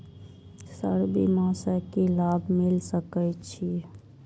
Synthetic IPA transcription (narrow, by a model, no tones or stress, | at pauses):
sə̰ɾbʱḭmãːsəkilaːbʱmɪlsəkət͡ʃʰi